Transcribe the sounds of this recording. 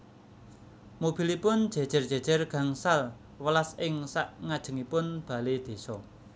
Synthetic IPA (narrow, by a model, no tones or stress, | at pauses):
mob̥i̤lipʊnd̥ʒ̥e̤d̥ʒ̥ə̤rd̥ʒ̥e̤̥d͡ʒ̥ə̤rɡ̥a̤ŋsal | wəlasɪŋsaʔŋad̥ʒ̥ə̤ŋipʊnb̥a̤led̪̥e̤sɔ